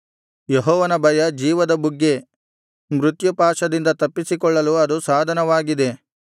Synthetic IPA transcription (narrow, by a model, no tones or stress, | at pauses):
jeɦɔːʋɐnɐbʱɐjɐd͡ʒiːʋɐd̪ɐbuɡːe̞ | mɾut̪jupaːʂɐd̪ind̪ɐt̪ɐpːisikɔɭːɐluɐd̪usaːd̪ʱɐnɐʋaːɡid̪e̞